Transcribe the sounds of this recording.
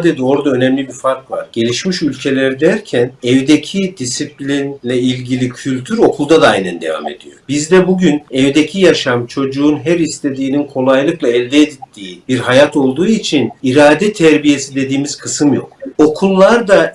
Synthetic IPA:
d̪e̞d̪io̞ɾd̪aø̞nɛmlʲibiɾfaɾkva̰ɾɟ̥e̞lʲiʃmiʃylʲcʰe̞lʲæɾd̪æɾcʰænɛvd̪ecʰid̪isiplʲinlʲɛilʲɟilʲicʰylʲt̪ʰyɾo̞kʰulˠd̪ad̪aa̰jnɛnd̪e̞va̰me̞̰d̪̥ijo̞̰bizd̪ɛbuɟynɛvd̪ecʰijaʃamt͡ʃʰo̞d͡ʒuːnɦæɾist̪ʰe̞d̪iːninkʰo̞lˠajlˠɯklˠaɛlʲd̪ɛːd̪it̪ʰːiːbiɾɦajat̪ʰo̞lˠd̪uːit͡ʃʰiniɾaːd̪ɛt̪ʰɛɾbije̞sid̪e̞d̪iːmiz̥kʰɯsɯmjo̞̰ko̞kʰulˠːaɾd̪a

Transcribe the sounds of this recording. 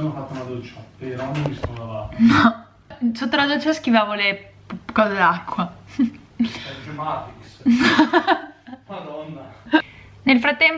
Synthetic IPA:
anːofat̪ːaunad̪oːt͡ʃaeɾanomist̪ond̪avaːt̪nɔ | sot̪ːolad̪oːt͡ʃaskivaːvole | kɔːzed̪akːwa | ɛd͡ʒemat̪iksn | nad̪ɔnːa | nelfɾat̪ːɛm

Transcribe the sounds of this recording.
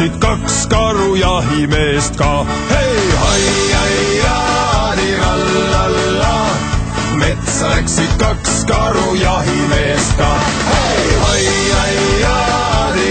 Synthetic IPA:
id̪̥̚kɑkskɑɾujɑɦime̞ːst̪kɑ | hejhɑjɑjɑd̪iɾɑlːɑlːɑ | met̪slæksid̪̥̚kɑkskɑɾujɑɦimeːst̪̚kɑː | hehɑjɑjɑ | d̪i

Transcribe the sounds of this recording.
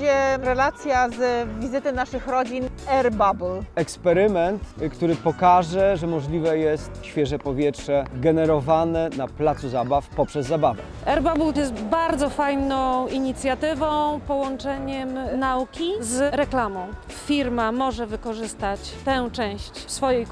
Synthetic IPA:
ɛɾɛlat̪sʲjazvʲizɘt̪ɛnaʂɘxɾɔd͡ʑinɛɾbabulɛkspɛɾɘmɛnt̪kt̪uɾɘpɔkaʐɛʐɛmɔʐlʲivɛjɛst̪ɕfʲjɛʐɛpɔvʲjɛtʂɛɡɛnɛɾɔvanɛnaplat̪suzabafpɔpʂɛzːabavɛ | ʔɛɾbabuljɛst̪baɾd̪zɔfajnɔ̃w̃iɲit̪sʲjat̪ɘvɔ̃w̃pɔwɔnt͡ʂɛɲɛmnaukʲizɾɛklamɔ̃w̃ | fʲiɾmamɔʐɛvɘkɔʐɘst̪at͡ɕt̪ɛ̃w̃t͡ʂɛ̃w̃ɕt͡ɕsfɔjɛj

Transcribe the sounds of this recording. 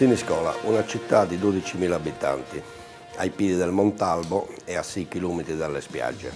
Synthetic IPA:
siniskɔːla̰ʔunat͡ʃit̪ːad̪id̪oːd̪it͡ʃimiːlaːbit̪a̰nt̪i | ajpiːd̪iðɛlmɔnt̪albɔɛasːikiluːmit̪ɾiðalːɛspja̰d͡ʒːɛ̰

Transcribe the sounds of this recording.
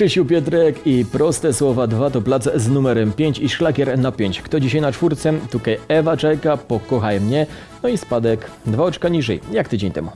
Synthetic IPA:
ʂɛɕuwpʲjɛt̪̬ɾɛkipɾɔst̪ɛswɔvad̪vat̪ɔplat̪sznumɛɾɛmpʲjeɲt͡ɕiʂlakʲɛɾnapʲjeɲt͡ɕkt̪ɔd͡ʑiɕajnat͡ʂfuɾt̪sɛmt̪ukajɛvat͡ʂɛkapɔkɔxajmɲɛ | nɔispad̪ɛk | d̪vaɔt͡ʂkaɲiʐɛ̰jjakt̪ɘd͡ʑeɲt̪ɛ̰mu

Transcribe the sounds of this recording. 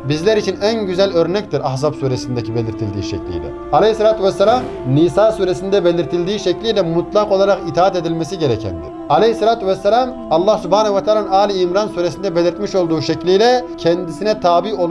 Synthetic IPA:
bizlʲɛɾit͡ʃʰinænɟyzælʲøɾnɛct̪iɾahzapsuːɾesind̪ɛcʰibelʲiɾt̪ʰilʲd̪ḭːʃɛ̰clʲḭjlɛ̰ | alɛhselaːt̪ʰyvɛsːɛlʲam | nisaːsuːɾesind̪ɛbelʲiɾt̪ʰilʲd̪iːʃɛclʲijlʲɛmut̪lˠaqo̞lˠaɾaqit̪ʰaːat̪ed̪ilʲmɛsiɟeɾɛcʰɛ̰nd̪ḭɾ̥ | alehselaːt̪ʰyvɛsːɛlam | ɑlˠːɑhsybhaːnɛuvat̪ʰaːlˠannaːlʲiːmɾansuːɾesind̪ɛbelʲiɾt̪miʃo̞lˠd̪uːʃɛclʲijlʲɛcʰɛnd̪isinɛt̪ʰaːbio

